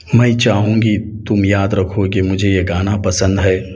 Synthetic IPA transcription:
mɛ̃t͡ʃaːɦũːŋɡit̪ʊmjaːd̪ɾɐkʰokimʊd͡ʒʱejeɡaːnapɐsə̃nd̪ɦɛː

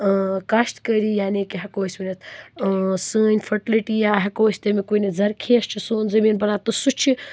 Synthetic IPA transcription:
kɐʃʈkəɾiːjaːnikiɦɐkoːsʲminɐt̪ʰː | sɨːnʲfɐʈiliʈijaːɦɐkoːsʲt̪ɐmikuːnɐzɐɾkʰeːst͡ʃʰisoːnzɐmiːnbɐɾaːt̪ɨsut͡ʃʰi

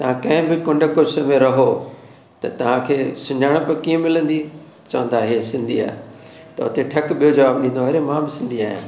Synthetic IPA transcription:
t̪ɐʋ̤ãkɐ̃ɦɪ̃bɪkʊ̃ɳɖkosʰəmẽɾɐɦo | t̪ɐt̪ɐʋ̤ãkʰeːsʊ̃ɲaːɽ̃pɐkiːə̃mɪlə̃nd̪i | t͡ɕɐʋə̃nd̪aɦesɪ̃nd̪ia̰ːɦe | t̪ɐɦʊt̪eʈʰɐkɓijod͡ʑɐʋaːbɗĩːnd̪oɦɐɾemãːmɪsɪ̃nd̪iaːɦɪ̰nɪ̆

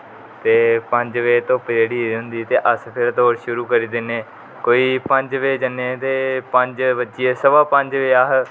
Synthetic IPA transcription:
t̪eːpəɲd͡ʒʋeːt̪õːpɪd͡ʒeːɽiːɦʊ̃nd̪iːt̪eːʔəspʰɪɾt̪oːɾʃʊɾuːkəɾiːd̪ɪneː | koːiːpəɲd͡ʒʋeːd͡ʒənːeːt̪eːpəɲd͡ʒbətːt͡ʃʃieːsəbaːpəɲd͡ʒʋeːaːɦ

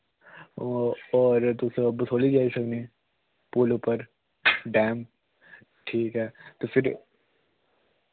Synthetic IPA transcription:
ɔːɾt̪osɐbɐsoːlid͡ʒaːisɐkneː | puːlupəɾ | ɖɛ̃ːm | ʈʰiːkɦɛːt̪ofɪɾ

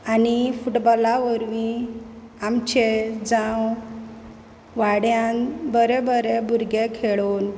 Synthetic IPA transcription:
anifuʈbɔlaʋəɾʋĩ | amt͡ɕed͡zaw | ʋaɽjãnbəɾebəɾebʱuɾɡekʰeɭun

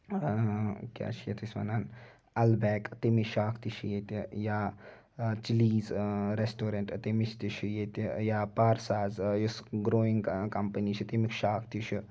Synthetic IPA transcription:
kʲa̰ːt͡ʃʰijet̪ʰisʲʋa̰naːn | ɐlbɛːkt̪imiʃaːkʰt̪iʃʰijet̪ijaː | t͡ʃiliːzɾesʈoːɾeɳʈt̪imit͡ʃʰt̪it͡ʃʰijet̪ijaːpaːɾsaːzjisɡɾoːiŋɡkɐmpənit͡ʃʰit̪imikʃaːkʰt̪it͡ʃʰi

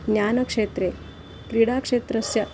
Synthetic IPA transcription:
nʲjanəkʂet̪ɾe | kɾiɽakʂet̪ɾəsjɐ

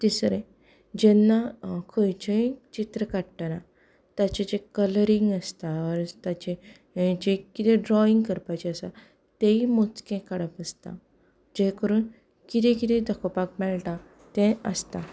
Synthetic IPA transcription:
t̪isɾe | d͡ʑɛnːakʰəjt͡ɕə̃t͡ɕit̪ɾəkaɽʈəɾa | t̪jat͡ɕed͡ʑekələɾiŋɡəst̪aɔɾt̪at͡ɕe | d͡ʑekit̪ɛ̃ɖɾɔiŋɡkəɾpajt͡ɕeəsa | t̪eimot͡skẽkəɽəpəst̪ã̰ | d͡ʑekəɾuːn | kit̪ʰɛ̃kit̪ɛ̃d̪əkʰopak̚mɛɭʈã | t̪ɛ̃əst̪a

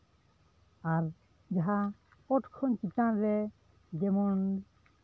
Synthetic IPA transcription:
aɾ | d͡ʒaɦa | kɔʈkʰɔnkitanɾɛ | d͡ʒɛmɔn

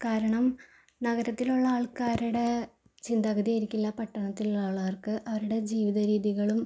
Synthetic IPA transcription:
kaːɾɐɳɐm | nɐɣɐɾɐt̪ːiluɭːɐaːɭkaːɾuɽe̞ | t͡ɕind̪ɐɣɐðijɐɾikʲːilːɐpɐʈːɐɳɐt̪ːiluɭaːɭaːrkɨʔɐʋɐɾuɽe̞d͡ʑiːʋiðɐɾiːðiɣɐɭum

